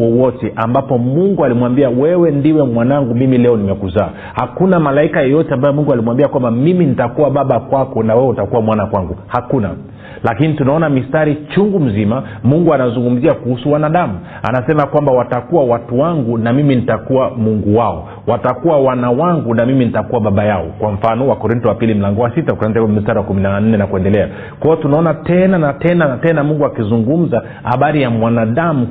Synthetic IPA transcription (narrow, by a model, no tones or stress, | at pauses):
ɔwɔtɛʔambapɔmuŋɡualimwambiawɛwɛndiwɛmwanaŋɡumimilɛɔnimɛkuzaː | hakunamalaikajɔjɔtɛambajɔmuŋɡualimwambiakwambamiminitakuaɓaɓakwakɔnawɛwɛutakuwamwanakwaŋɡuhakuna̰ | lakinitunaɔnamistaɾit͡ʃuŋɡum̩zimamuŋɡuanazuŋɡum̩ziakuhusuwanaɗamu | a̰nasɛmakwambawatakuwawatuwaŋɡunamiminitakuwamuŋɡuwaɔ | watakuwawanawaŋɡunamimin̩itakuwaɓaɓajaɔkwaɱ̩fanɔwakɔɾintɔwapilim̩laŋɡɔwasitakanzamistaɾiwakuminan̩nɛnakuɛndɛlɛa | kwaɔtunaɔnatɛnanatɛnatɛnamuŋɡuakizuŋɡum̩za | ha̰ɓaɾijamwanaɗamu